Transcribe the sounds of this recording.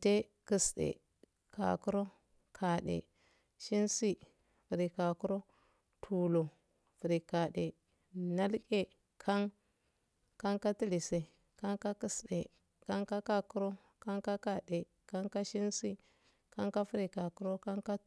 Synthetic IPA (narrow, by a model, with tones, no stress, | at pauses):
te˦ki˨sɗḛ˨ | ka̰˨ku˦ɾo˦ | kʰa˨ɗḛ˨ | ʃi˦nsi˦ | fi˨ɾi˨ka˨ku˦ɾo˦ | tʰu˨lo˨ | fu˨ɾi˨ka˨ɗe˨ | na˦lke˦ | kʰa˦ŋ | ka˦ŋka˦ti˦li˨se˨ | ka˦ŋka˦ki˨sɗḛ˨ | ka˦ŋka˦ka˦ku˦ɾo˦ | ka˦ŋka˦ka˨de˨ | ka˦ŋka˦ʃi˦nsi˦ | ka˦ŋka˦fi˦ɾi˨ka˨ku˦ɾo˦ka˦ŋka˦